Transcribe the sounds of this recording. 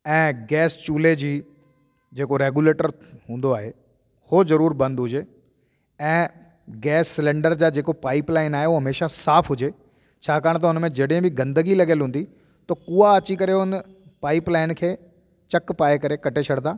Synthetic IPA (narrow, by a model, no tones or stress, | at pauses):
ɛ̃ːɡɛːst͡ɕuːled͡ʑiː | d͡ʑeːkoɾeːɡjuleːʈəɾ | ɦũːnd̪oaːɦe | hozɐɾuːɾbɐ̃nd̪ɦʊd͡ʑeː | ɛ̃ː | ɡɛːsːɪlẽːɳɖəɾd͡ʑaːd͡ʑeːkopaːɪplaːɪnaːɦeoɦɐmeːʃasaːpʰɦʊd͡ʑeː | t͡ɕʰaːkaːɽ̃t̪ɐʊnmẽd͡ʑɐɽẽbʱɪɡɐ̃nd̪əɡilɐɡəlɦũːn̆d̪i | t̪ɐkuːaɐt͡ɕikɐɾeʊn | paːɪplaːɪnkʰeː | t͡ɕɐkpaːekɐɾekɐʈet͡ɕʰɐɽt̪aː